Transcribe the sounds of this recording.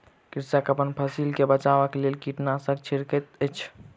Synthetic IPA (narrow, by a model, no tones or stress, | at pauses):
kiɾsakəpənpʰəsilkebət͡ʃabəkelelkiʈnasə̃ɡ̚t͡ʃʰiɾkət̪ət͡ʃʰ